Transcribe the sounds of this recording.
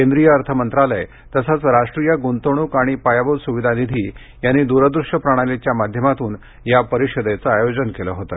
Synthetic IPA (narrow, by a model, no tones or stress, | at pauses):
kend̪ɾijəəɾt̪ʰəmənt̪ɾaləj | t̪əsat͡sɾaʂʈɾijəɡunt̪oɽ̃uːkaɽ̃ipajabod̪suʋid̪ʱanid̪ʱiː | janːiːd̪uɾəd̪ɾuʂʈəpɾəɽ̃alet͡ɕjamad̪ʱjəmat̪uːn | japəɾiɕəd̪et͡səajod͡ʑənkeləɦot̪ə̰